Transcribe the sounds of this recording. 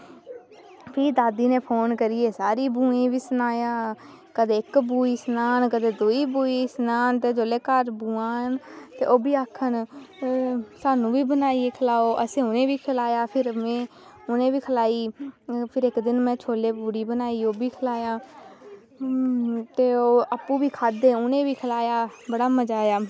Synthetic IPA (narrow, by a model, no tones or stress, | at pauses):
pʰiːd̪aːd̪iːnẽːpʰoːnkəɾieːsaːɾiːbũːẽːʋiːsənaːjaː | kəd̪eːɪkbuːiːsənaːnkəd̪eːd̪uːiːbuːiːsənaːnt̪eːd͡ʒoːleːkəɾbũːaːnt̪ḛːʔoːbiːaːkʰːən | saːnũːbiːbənaːieːkʰəlaːoːʔəsẽːʊnẽːʋiːkʰəlaːjaːpʰɪɾmɛ̃ː | ʊnẽːʋiːkʰəlaːiːpʰɪɾɪkd̪ɪnmɛ̃ːt͡ʃʰoːleːbuːɽiːbənaːiːoːbiːkʰəlaːjãː | t̪eːoːapũːbiːkʰaːd̪eːʊnẽːʋiːkʰəlaːjaːbəɽaːməd͡ʒaːjaː